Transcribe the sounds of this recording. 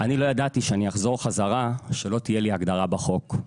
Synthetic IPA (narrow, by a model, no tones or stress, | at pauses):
ʔanilo̞jad̪at̪iʃeanijaχzo̞ʁχazaʁaʃelo̞t̪ijeliaɡd̪aʁabaχo̞k